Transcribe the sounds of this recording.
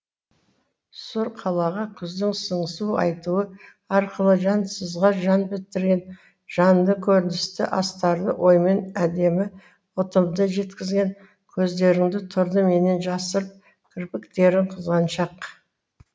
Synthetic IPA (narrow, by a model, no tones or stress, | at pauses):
sʊɾqʰɑlˠɑʁɑkʲʰʏzd̪ɪŋsəɴəsuɑ̰jt̪uwə | ɑɾqəlˠəʒɑnsəzʁɑʒɑnbɪt̪ɪɾɡʲe̞n | ʒ̥ɑnd̪əkʲʰɵɾɪnɪst̪ɪ̰ʔɑst̪ɑɾd̪əwʔo̞jme̞næd̪e̞mɪ | wot̪əmd̪əʒe̞t̪kʲɪzɡʲe̞n | kʲʰɵzd̪e̞ɾɪŋd̪ɪt̪ʰʊɾd̪əme̞ne̞nʒɑsəɾəp̚ | kʲʰɪɾpɪkt̪e̞ɾɪɴqʰəzʁɑnʃɑq